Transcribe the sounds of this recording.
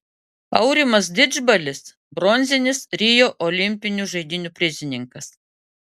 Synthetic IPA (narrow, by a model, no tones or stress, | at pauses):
ɐ̰ʊɾʲɪmɐs̬d̪ʲɪd͡ʒbɐlʲɪs | bɾɔnʲzʲɪnʲɪsɾʲijoːʔɔlʲɪmʲpʲɪnʲuʒɐɪd̪ʲɪnʲupʲɾʲɪzʲɪnʲɪŋkɐs